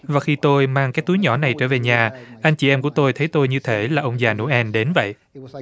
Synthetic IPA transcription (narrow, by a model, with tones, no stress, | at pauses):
vaː˨˩xi˧t̪o˧jmaː˧ŋkaː˦˥k̚t̪u˨˦jɲɔ˧˩na˨˩jt͡ɕəː˧˩ve˨˩ɲaː˨˩ʔa˧jŋ̟t͡ɕi˧˩ʔɛ˧mku˧˩ət̪o˧jt̪ʰə˨˦jt̪o˧jɲɨ˧t̪ʰe˧˩laː˨˩ʔə˧wŋ͡mzaː˨˩nṵ˧˥ʔɛ˧nɗe˨˦nvə̰˧˨jʔ